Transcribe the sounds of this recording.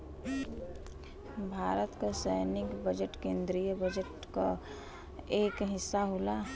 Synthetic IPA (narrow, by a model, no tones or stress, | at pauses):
bʱaːɾət̪kasəjnɪkbəd͡ʒəʈkẽːnd̪ɾijəbəd͡ʒəʈ | ka̰ | eːkɦɪsːaɦola